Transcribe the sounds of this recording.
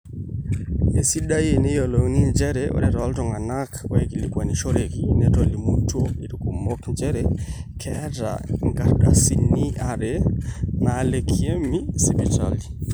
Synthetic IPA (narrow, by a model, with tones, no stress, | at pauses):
e˨si˦ɗa˦je˨ne˦jɔ˨lɔ˨ŋni˦nd͡ʒɛ˦ɾɛɔ̰˨ɾɛ˨ɾɔ˨a˦ltɔ˨ŋa˨na˦kɔ˦e˨ki˨li˨kwa˨ni˨ʃɔ˦ɾe˨ki˦nɛtɔli˨mu˦to˦i˨ɾuku˨mɔ˦knd͡ʒɛ˦ɾɛkʰɛ˦ta̰˨ŋɡa˨ɾɗa̰˨si˨ni˦a˨ɾe˨na˨˦le˨kʰie˦mi˦sibi˨ta̰˨li˨